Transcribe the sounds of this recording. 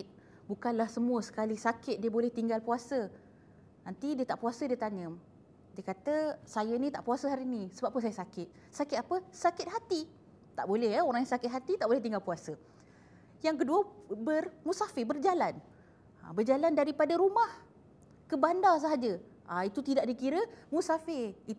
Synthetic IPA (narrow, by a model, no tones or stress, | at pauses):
t̪̚ | bukanlahsəmuəsə̥kalisakɪt̪̚diəbolɛht̪iŋɡalpuasə | nant̪idiət̪aʔpuasədiət̪aɲə | diəkat̪əsajənit̪aʔpuasəɦaɾinisəbap̚ːʊns̬ajəsakɪt̪̚ | sakɪt̪apəsakɪt̪̚ɦat̪i | t̪aʔbolɛhjaoɾaŋjaŋsakɪt̪̚ɦat̪it̪aʔbolɛht̪iŋɡalpuasə | jaŋk̬əduəbərmusafɪbərd͡ʒalan | a̰bərd͡ʒalandaɾipadaɾumah | kəbandas̬aɦad͡ʒə | ʔait̪ut̪idaʔ̚dikiɾəmusafɪit̪